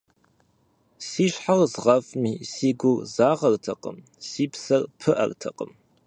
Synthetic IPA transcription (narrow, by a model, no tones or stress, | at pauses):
siːɕħarzʁɐfmiːsiːɡʷʊrzaːʁɐrtʰɐqə̰m | siːpsɐrpʰɨʔɐ̰rtʰɐqə̰m